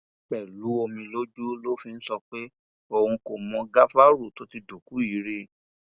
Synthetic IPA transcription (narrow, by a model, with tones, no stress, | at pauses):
k͡pɛ˨lu˨˦o˧mĩ˧lo˦d͡ʒu˦lo˦fĩ˧n̩˦sɔ˧k͡pe˦ | o˧hũ˧ko˨mɔ̃˧ɡa˦fa˦ɾu˦˨to˨˦ti˧do˨ku˨˦i˨˦ɾe˧